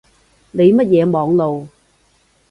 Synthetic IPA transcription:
le˨˧jmɐ˥t̚jɛː˨˧mɔː˨˧ŋlo˨w

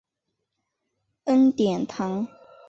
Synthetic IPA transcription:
ə˦nt̪jɛ˨˩nt̪ʰa˨˦ŋ

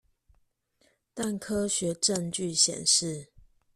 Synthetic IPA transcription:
t̪a˥˨nkʰɤ˦ɕɥɛ˨˦ʈ͡ʂə˥˧ŋt͡ɕy˥˨ɕjɛ̰˨˩nʂɻ̩˥˨

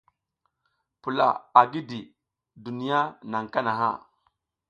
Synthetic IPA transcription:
pu˨la̰˨a˨ɡi˦di˨ | du˨ni˦ja˦na˨ŋka˦na˨ɦa̰˦˨

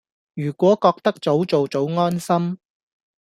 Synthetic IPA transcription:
jyː˨˩kʷɔː˨˥kɔː˧k̚t̪ɐ˥k̚t͡so˨˥wt͡so˨wt͡so˨˥wŋɔː˥nsɐ˥m

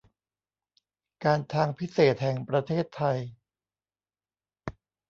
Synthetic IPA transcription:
kaː˧nt̪ʰaː˧ŋpʰi˦˥seː˨˩t̪̚hɛ˨˩ŋpɾa˧t̪ʰeː˥˩t̪ʰːa˧j

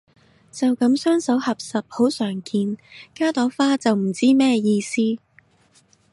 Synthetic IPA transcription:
t͡sɐ˨wkɐ˨˥msœː˥ŋsɐ˨˥whɐ˨p̚sɐ˨p̚ho˨˥wsœː˨˩ŋkʰiː˧nkaː˥t̪ɔː˨˥faː˥t͡sɐ˨wm̩˨˩t͡siː˥mɛː˥jiː˧siː˥

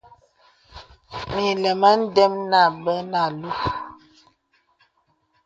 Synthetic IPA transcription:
mi˨lɛ˨mə˦n̩˦dɛ˦mna˦˨bə˦na˨lu˦

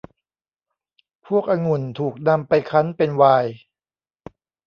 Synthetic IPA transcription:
pʰu˥˩ək̚ʔa˧ŋu˨˩nt̪ʰuː˨˩k̚na˧mpa˧jkʰa˦˥npe˧nwaː˧j

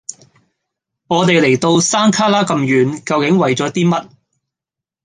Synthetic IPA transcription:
ŋɔː˨˧t̪e˨jle˨˩jt̪o˧wsaː˥nkʰaː˥laː˥kɐ˧mjyː˨nkɐ˧wkɪ˨˥ŋwɐ˨jt͡sɔː˨˥t̪iː˥mɐ˥t̚

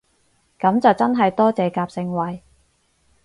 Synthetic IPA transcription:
kɐ˨˥mt͡sɐ˨wt͡sɐ˥nɦɐ˨jt̪ɔː˥t͡sɛː˨kaː˧p̚sɪ˧ŋwɐ˨j

